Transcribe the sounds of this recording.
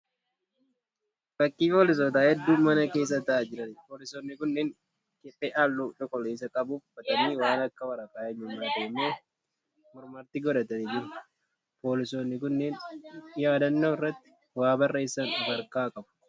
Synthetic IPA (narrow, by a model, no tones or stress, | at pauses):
b̥ɐkʼːiːpoːlɪs̬oːt̪̬aːhɛd̪ːuːmɐnɐke̞ːs̬ːɐt̪ɐʔad͡ʒɪɾɐnɪpo̞ːlɪsoːnːɪkʊnːeːŋ | kɛpʼːeːʔalːuːᶑɔkʼɔleːsɐkʼɐbuːffɐt̪ɐniwaːnɐkːɐwɐɾɐkʼaːʔɛɲːɪmːaːd̪eːmːoː | mʊɾmɐɾt̪ɪɡɔᶑɐt̪ɐniːd͡ʒɪɾʊ | po̞ːlɪso̞ːnːɪkʊnːeːnjaːd̪ɐnːo̞ːɪrːɐt̪ːɪ̥ | waːbɐrːe̞ːsːɐnʊbɐɾkaːkʼɐbʊ̥